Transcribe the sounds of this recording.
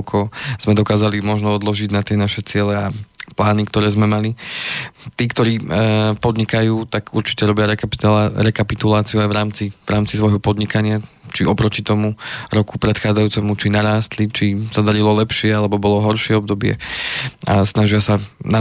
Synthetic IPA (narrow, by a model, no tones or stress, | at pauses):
kʰɔz̥mɛd̪ɔkaːzalimɔʒnɔɔd̪lɔʒiɟnat̪ɪɛnaʃɛt͡sɪɛlɛaplaːnikt̪ɔɾɛːzmɛmali | t̪iːkt̪ɔɾiːpɔd̪ɲikajuːt̪aɡuɾt͡ʃi̥cɛɾɔbɪaɾɛɾɛkapit̪ulaːt͡siuajvɾaːmt͡sivɾaːmt͡sisʋɔjɦɔpɔd̪ɲikaɲɪa | t͡ʃiɔpɾɔcit̪ɔmuɾɔkupɾɛt̪xaːd͡zajuːt͡sɛmut͡ʃinaɾaːst̪lit͡ʃisad̪aɾilɔlɛpʃɪɛalɛbɔbɔlɔɦɔɾʃɪɛɔb̚d̪ɔbɪɛ̰ | asnaʒɪasana